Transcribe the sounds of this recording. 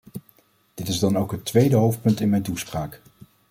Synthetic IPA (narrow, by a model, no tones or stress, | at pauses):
d̥ɪtɪzdɑnowkɦətʋejdəɦowft̚pɵntɪnmɛjntuspraːk